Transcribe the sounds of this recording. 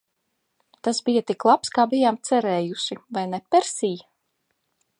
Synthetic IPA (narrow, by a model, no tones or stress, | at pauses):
t̪asbijat̪iklˠapskaːbijaːmt̪sɛɾɛːjuʃivajnɛpɛɾsij